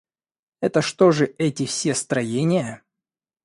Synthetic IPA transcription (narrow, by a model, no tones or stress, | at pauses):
ɛt̪əʂt̪oʐɨɛtʲɪfsʲest̪ɾɐjenʲɪjə